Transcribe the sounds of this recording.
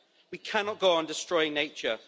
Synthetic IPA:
wikʰanɒʔ̚ɡ̥oʊə̃ndɪstɹ̥ɔɪɪ̃ŋneɪt͡ʃə

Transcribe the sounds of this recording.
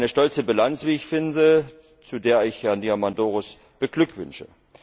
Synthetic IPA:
nəʃtɔlt͡səbilant͡sv̥iːɪçfɪndə | t͡sudeːɐɪçhɛɐndiamandoːʁʊs | b̥əɡ̥lʏkv̥ʏ̰nʃə

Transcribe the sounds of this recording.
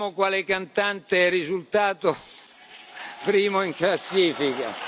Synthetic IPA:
mokwaːlɪkant̪ant̪eɛrːizult̪aːt̪o | pɾiːmoiŋklasːiːfika̰

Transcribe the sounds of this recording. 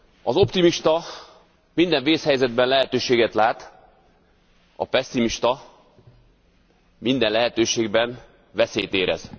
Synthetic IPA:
ɒzo̞pt̪imiʃt̪ɒ | mind̪ɛɱveːshɛjzɛd̪bɛnlɛɦɛt̪øːʃeːɡɛt̪laːt̪ | ɒ̰pɛsːimiʃt̪ɒ | mind̪ɛnlɛɦɛt̪øːʃeːɡbɛn | vɛseːjt̪eːɾɛ̰z̥

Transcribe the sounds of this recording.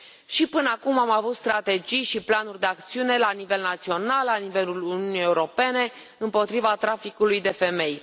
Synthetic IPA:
ʃipɨnəakumamavut̪st̪ɾat̪e̞d͡ʒijʃiplanurʲd̪e̞ak̚t̪siune̞lanive̞lnat̪sio̞nalːanive̞luluniunije̞uɾo̞pe̞ne̞ | ɨmpo̞t̪ɾivat̪ɾafikulujd̪e̞fe̞me̞j

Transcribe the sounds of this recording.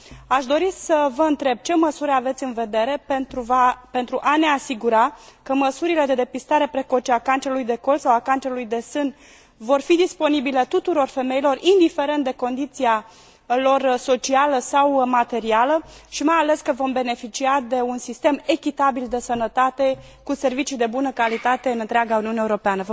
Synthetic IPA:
aʃd̪o̞ɾisəvəɨnt̪ɾe̞b̚t͡ʃe̞məsuɾeave̞t̪sʲɨnve̞d̪e̞ɾe̞uape̞nt̪ɾuʔane̞asiɡuɾakəməsuɾile̞d̪e̞d̪e̞pist̪aɾe̞pɾe̞ko̞t͡ʃeakant͡ʃeɾulujd̪e̞ko̞lsawakant͡ʃeɾulujd̪e̞sɨn | vo̞rfid̪ispo̞nibile̞t̪ut̪uɾo̞rfe̞me̞ilo̞rind̪ife̞ɾe̞nt̪̚d̪e̞ko̞nd̪it̪sia | lo̞rso̞t͡ʃialəsawmat̪e̞ɾialəʃimajale̞skəvo̞mbe̞ne̞fit͡ʃiad̪e̞unsist̪e̞me̞kʲit̪abild̪e̞sənət̪at̪e̞ | kuse̞rvit͡ʃijd̪e̞bunəkalit̪at̪e̞ɨnɨnt̪ɾeaɡauniuneuɾo̞peanəv

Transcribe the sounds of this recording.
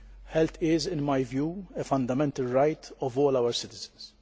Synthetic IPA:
ħɛlt̪ɪzɪ̃nmɐjvjuːɛfɐ̃nd̪ɐmɛnt̪ɐlɾɐjt̪ʰɔvɔːlɐwəɾsɪt̪ɪzɪ̥ns

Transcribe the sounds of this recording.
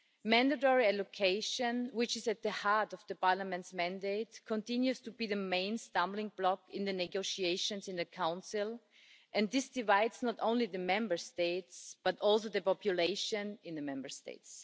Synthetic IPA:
mæ̃ndətɔɹiɛlokʰeɪʃə̃nwɪt͡ʃɪzæt̪̚ðəhaɹtɔvðəpaɹlamɛ̃ntsmæ̃ndeɪtkʰɔ̃ntɪ̃njustubiðəmẽɪ̃nstãmblɪ̃ŋblɔkɪ̃nðɨnɛɡoʊʃieɪʃɔ̃nsɪ̃nðɨkʰãʊ̃nsɪlˠ | ʔɛ̃nðɪsd̥ɪvaɪdsnɔtõʊ̃nliðəmɛ̃mbə˞steɪtsb̥atɔlˠs̬oʊðəpɔpjuleɪʃə̃nɪ̃nðəmɛ̃mbə˞stḛɪts

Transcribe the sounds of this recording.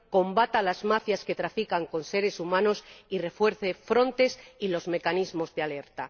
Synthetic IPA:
ko̞mbat̪alazmafjaske̞t̪ɾafikaŋko̞nse̞ɾe̞sumãno̞sire̞fwe̞ɾθe̞fɾo̞nt̪e̞silo̞zme̞kanizmo̞zðeale̞ɾt̪a

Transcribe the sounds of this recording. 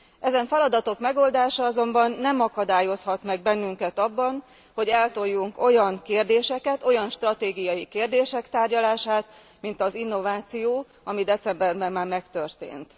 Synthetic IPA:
ɛzɛɱfɛlɒd̪ɒt̪o̞kmɛɡo̞ld̪aːʃɒɒzo̞mbɒnːɛmɒkɒd̪aːjo̞shɒt̪mɛɡ̚bɛnːyŋkɛt̪ɒbːɒn | ho̞ɟɛlt̪o̞jːuŋko̞jɒŋkeːrd̪eːʃɛkɛt̪o̞jɒnʃt̪rɒt̪eːɡijɒjikeːrd̪eːʃɛkt̪aːrɟɒlaːʃaːt̪ | mint̪ɒzinːo̞vaːt̪sijoː | ɒmid̪ɛt̪sɛmbɛrbɛmmːaːrmɛkt̪ø̞rt̪ḛːnt̪

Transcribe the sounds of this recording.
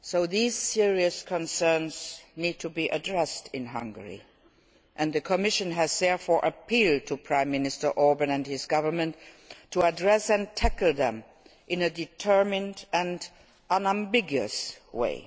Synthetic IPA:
soʊðiz̥sɪɹiɨskʰə̃nsɜ̃˞nz̥nid̚tʰɨbiʔɨdɹɛstʰɪ̃nɦʌ̃ŋɡə̰˞ḭ | ʔɨ̃nðɨkʰəmɪʃɨ̃nɨzðɛɹfɔːɹʔəpʰilˠd̚tʰupʰɹ̥ãɪ̃mːɪnɨstə˞ʔɔɹbɨ̃nɨ̃nhɪzɡʌvə˞mɨ̃n | tʰːəədɹɛsɨ̃ntʰækl̩ˠðɛ̃m | ʔɪ̃nɨdɨtʰɜ˞mɪ̃ndɨ̃n | ʌ̃næ̃mbɪɡjɨ̰swḛɪ

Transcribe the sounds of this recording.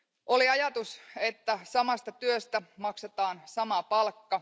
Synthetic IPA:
ʔoliɑjɑt̪uset̪ːæsɑmɑst̪ɑt̪yøst̪æmɑkset̪ɑːnsɑmɑpɑlkːɑ

